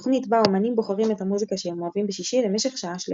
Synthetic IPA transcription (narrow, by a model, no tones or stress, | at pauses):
o̥χnitbaomanimbo̞χaʁimethamuzikaʃeemoavimbeʃiʃilemeʃe̞χʃaaʃl